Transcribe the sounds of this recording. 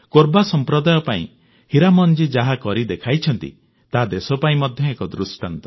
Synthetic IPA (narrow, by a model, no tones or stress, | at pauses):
koɾbasɔmpɾɔd̪ajɔpaḭ̃ | hiɾamɔnd͡ʒid͡ʒaɦakɔɾid̪ekʰajt͡ʃʰɔnt̪ḭ | t̪ad̪esɔpaĩmɔd̪ʱjɔekɔd̪ɾusʈant̪ɔ̥